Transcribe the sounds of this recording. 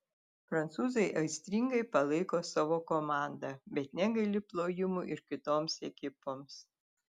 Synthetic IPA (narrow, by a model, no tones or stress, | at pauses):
pɾɐnt̪suːzɐɪʔɐɪsʲt̪ʲɾʲiŋɡɐɪpɐlˠɐɪkoːsɑːʋoːkomɑːˑnd̪ɑbʲɛt̪nʲɛɡɐlʲɪplˠoːjɪmʊʔɪɾkʲɪt̪oːmsɛkʲɪpoːms